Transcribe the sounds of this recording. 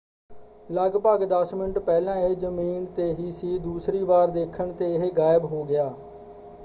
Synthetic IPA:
ləɡpəːɡd̪əsmɪnʈpɛːlãːɪɦed͡ʒəmiːnt̪eːɦiːsiːd̪uːsɾiːʋaːɾd̪eːkʰəɳt̪eːɪɦeːɡaːɪbɦoːɡɪaː

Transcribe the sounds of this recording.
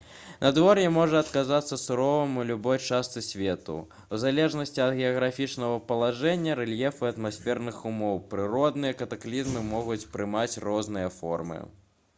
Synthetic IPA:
nʔɐd̪vɔɾjɛmɔʐɐɐt̪kazat̪sːɐsuɾɔvɐmulʲubɔjt͡ʂast̪sɨsʲvʲɛt̪ṵ | uzalʲɛʐnɐsʲt͡sʲiɐd̪ɣʲɛɐɣɾafʲit͡ʂnɐɣɐpɐlˠaʐɛnʲːɐɾɛlʲjɛfɨɐt̪masʲfʲɛrnɨxumɔwpɾɨɾɔd̪nɨjɐkɐt̪aklʲizmɨmɔɣut͡sʲpɾɨmat͡sʲrɔznɨjɐfɔ̰rmɨ̰

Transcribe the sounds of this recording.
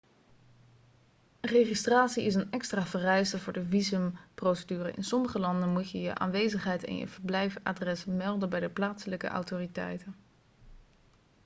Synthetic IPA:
rejχistraːtsiɪs̬ənɛkstraːvərɛjstəvʊːɹdəvizəmprowsədyːrə̰ʔɪ̰nsɔməχəlɑndənmutjəjə̰ʔa̰ːnʋejzəχɦɛjtɪ̰njə̰v̥əɹblɛjfa̰ːdrɛsmɛlˠdənbɛjdəplaːtsələkə̰ʔɑ̰wtoːritɛ̰jtən

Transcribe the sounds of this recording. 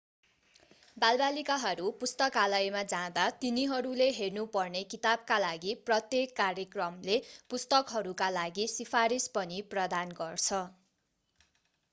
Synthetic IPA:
balbalikaɦʌɾupust̪ʌkalʌjmad͡zãd̪at̪iniɦʌɾuleɦernupʌrnekit̪ab̚kalaɡiprʌt̪jekːarjʌkrʌmlepust̪ʌkɦʌɾukalaɡisipʰaɾispʌniprʌd̪anɡʌrt͡sʰʌ

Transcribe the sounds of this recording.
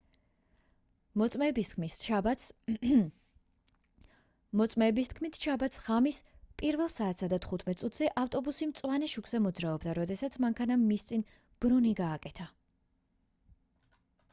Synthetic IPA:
mɔt̪sʼmɛːbist̪kʰmis | mɔt̪sʼmɛːbist̪̚ʰkʰmit̪ʰʃabat̪sʁamispʼiɾvɛlˠsaːt̪ʰsad̪at̪ʰχut̪ʰmɛt̪ʼsʼut̪ʰzɛʔaft̪ʼɔbusimt̪sʼwanɛʃukʼz̥ɛmɔd̪zɾaɔbd̪aɾɔd̪ɛsat̪sʰmaŋkʰanamːist̪sʼin | b̥ɾuniɡaːkʼɛt̪ʰa

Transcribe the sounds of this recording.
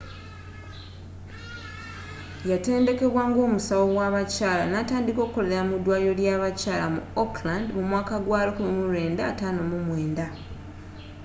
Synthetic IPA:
jate̞ːnde̞ke̞βwaːŋɡo̞ːmusawo̞ɡwaβacaːla̰nataːndiko̞ːkkoleeɾamudwaːjo̞ljaβacaːlamṵoklandmumwaːkaɡwaːlokuβimuɾe̞ːndaːtaːno̞mumwe̞ːnda

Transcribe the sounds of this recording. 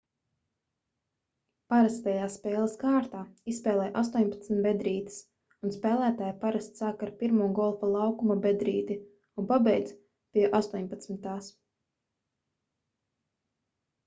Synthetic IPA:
paɾast̪ɛjaːsspɛːlˠaskaːɾt̪aːisspɛːlˠɛjʔast̪ɔɲpat̪smʲit̪bɛd̪ɾiːt̪i̥s | unspɛːlˠæːt̪aːjpaɾast̪saːkaɾpiɾmuɔɡɔlˠfalˠɑwkumabɛd̪ɾiːd̪i | unpabɛjd̪z | piɛʔast̪uɔɲpat̪smit̪aːs

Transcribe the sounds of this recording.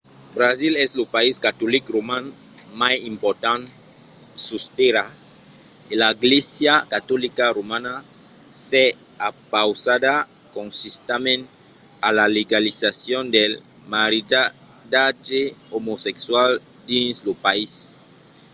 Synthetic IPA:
bɾazilɛslopaiskat̪olikromãnmajimpoɾt̪ãn | sust̪eɾa | elaɡlesjakat̪ɔlikaɾomanaseapawsad̪akõnsist̪amẽn | alaleɡalisasjond̪elmaɾiad̪ad͡ʒeomosekswald̪ĩnslopais

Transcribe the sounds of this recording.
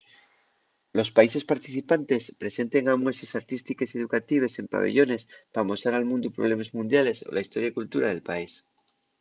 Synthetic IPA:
lo̞spaise̞spaɾt̪iθipant̪e̞spɾe̞se̞nt̪e̞ŋamwesesaɾt̪ist̪ike̞se̞ðukat̪iβ̞e̞se̞mpa̰β̞ḛʝo̞ne̞spamo̞saɾalmũnd̪opɾo̞β̞le̞mazmũnd̪jale̞so̞̰laist̪o̞ɾjakult̪uɾaðe̞lpais

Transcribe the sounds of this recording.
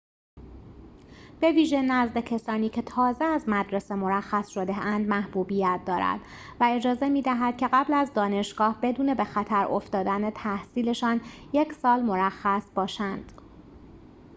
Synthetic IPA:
b̥e̞viːʒe̞næzd̪e̞cʰesɒːniːcʰe̞t̪ʰɒːzeæzmæd̪ɾe̞se̞mo̞ɾæxːæsʃo̞d̪eʔænd̪mæhb̥uːbijæt̪̚ʰd̪ɒːɾæ̰d̪̥ | væe̞d͡ʒɒːze̞miːd̪æɦæd̪̥̚cʰe̞ɣæblæzd̪ɒːne̞ʃɡ̥ɒːhbe̞d̪uːne̞be̞xæt̪ʰæɾo̞̰ft̪ɒːd̪ænet̪ʰæhsiːle̞ʃɒːnje̞cʰsɒːlmo̞ɾæxːæsb̥ɒːʃænd̪̥

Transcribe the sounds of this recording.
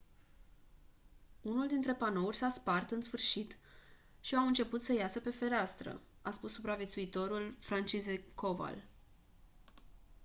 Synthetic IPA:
unuld̪int̪ɾe̞pano̞urʲsaspart̪ɨnsfɨrʃit̪ʃiawɨnt͡ʃe̞put̪səjasəpe̞fe̞ɾeast̪ɾə̰ | aspusːupɾavʲje̞t̪suit̪o̞ɾulfɾant͡ʃizekova̰l

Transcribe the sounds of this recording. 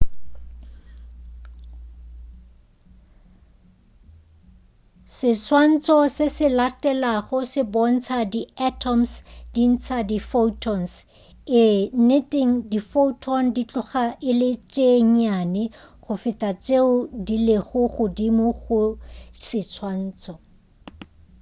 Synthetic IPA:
sɪt͡sʰwan̩t͡sʰʼɔsɪsɪlatʼɛlaχʊsɪbɔn̩t͡sʰadiatʰɔmsd̥in̩t͡sʰadifotʰɔns | ɪnetʼeŋ̩difotʰɔndit͡ɬʼʊχaʔɪlɪt͡ʃʼeŋ̩anɪ | χʊfɪtʼat͡ʃʼeʊdileχʊχʊdimʊχʊsɪt͡sʰwan̩ːt͡sʼɔ

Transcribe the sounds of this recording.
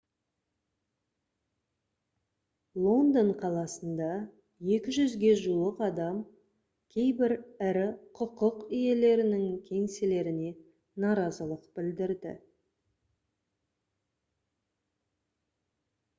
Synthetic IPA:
lˠo̞nd̪oɴqʰɑlˠɑsənd̪ɑ | je̞kʲɪʒʏzɡʲe̞ʒulˠəqɑd̪ɑm | kʲʰe̞jbɪɾɪɾɪqʰʊqəqije̞le̞ɾɪnɪŋkʲʰe̞ŋsɪle̞ɾɪne̞ | nɑɾɑzəlˠəqbɪld̪ɪɾd̪ɪ̰

